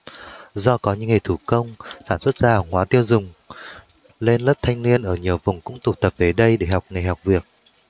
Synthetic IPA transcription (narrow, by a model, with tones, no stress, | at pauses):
zɔ˧kɔ˨˦ɲɨ̰˧˥ŋa˨˩jt̪ʰu˧˩kə˧wŋ͡msaː˧˩nswə˦˥t̚z̥aː˧˨˩ŋwaː˨˦t̪i˧əwzʊ˨˩ŋ͡m | le˧nlə˦˥p̚t̪ʰa˧jŋni˧ənʔəː˧˩ɲi˨˩əwvʊ˨˩ŋ͡mkʊ̰˧˥ŋ͡mt̪u˧˩t̪ə˨˩p̚ve˨˩ɗə˧jɗe˧˩ɦa˨˩wk͡p̚ŋa˨˩jɦa˨˩wk͡p̚vi˨˩ək̚